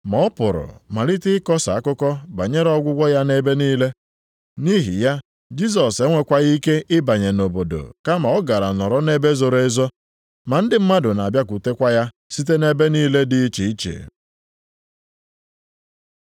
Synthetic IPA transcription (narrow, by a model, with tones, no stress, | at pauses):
mɔ˨ɔ˦pʊ˨ɾʊ̰˨ma˨li˦tɪ˦kɔ˦sa˨a˦kʊ˦kɔ˦ba̰˨ɲe˦ɾɔ˦ɡʷʊ˦ɡʷɔ˦ja˦ne˦be˦niː˦le˦ | ni˦ɦḭ˨ja˦ | d͡ʒi˦s̬ɔ˨se˦ŋʷe˦kʷa˦ɣi˦ke˦ʔɪ˦ba˨ɲe˨no˨bo˨do̰˨ka˦ma˨ɔ˦ɡa˨ɾa˨nɔ˨ɾɔ˦ne˦be˦zo˨ɾe˦zɔ˦ | ma˨n̩˦dɪ˦m̩˦ma˦dʊ˨na˨bja˦k̬u˨te˦kʷa˦ja˦ | si˦t̬e˦ne˦be˦niː˦le˦dɪ˦i˦t͡ʃi˨˦t͡ʃḛ˨